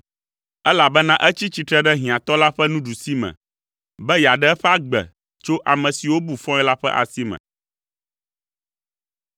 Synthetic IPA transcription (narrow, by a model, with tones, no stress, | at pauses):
ɛ˦la˨bɛ˦nã˦ʔɛ˦t͡ɕi˦t͡ɕi˨t̪ɾɛ˦ɖɛ˦ɦĩ˨ã˨t̪ɔ˦la˦ɸɛ˦nũ˦ɖu˨si˦mɛ̰̃˨ | bɛ˦ja˨ɖɛ˦ɛ˦ɸɛ˦a˦ɡ͡bɛ̰˨ | t͡ʃo˦ʔa˨mɛ̃˨si˨wo˦bu˨fɔ̃˦ɛ˦la˦ɸɛ˦ʔa̰˨si˦mɛ̰̃˨